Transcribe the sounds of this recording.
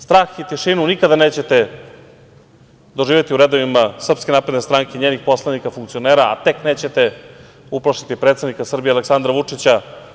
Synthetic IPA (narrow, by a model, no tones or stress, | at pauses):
st̪ɾaːxit̪iʃinunikad̪aneːt͡ɕe̞t̪e̞ | d̪o̞ʒiːʋjet̪iuɾe̞d̪oʋimasr̩pskenaːpɾed̪ne̞st̪ɾaŋkeɲeːnixpo̞slˠanikafuŋkt̪sio̞neːɾaa̰t̪e̞kne̞ːt͡ɕe̞t̪e̞ | uplˠaʃt̪i̥t̪ipɾet̪sed̪nikasr̩bijealeksand̪ɾaʋut͡ʂit͡ɕa